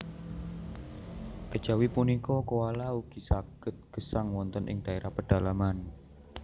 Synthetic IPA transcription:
kəd̥ʒ̥a̤wipunikɔkowalauɡ̥i̤saɡ̥ət̪̚ɡ̥əsaŋwɔnt̪ənʔɪ̰ŋd̥a̤eɾʔahpəɖ̥a̤laman

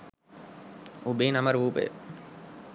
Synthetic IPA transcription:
ubiːnɐmɐɾʋuːpḛ

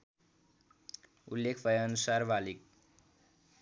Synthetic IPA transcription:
ulːekʰbʌjʌnusarbalik̚

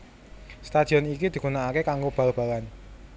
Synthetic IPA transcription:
st̪ad̪̥i̤ɔnikid̪̥i̤ɡunaakekaŋɡob̥ä̤lb̥a̤lan

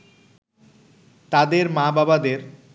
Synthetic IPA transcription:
t̪ad̪eɾmababad̪eɾ

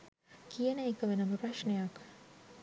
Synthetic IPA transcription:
kijənəekəʋenəməpraʃɳejak

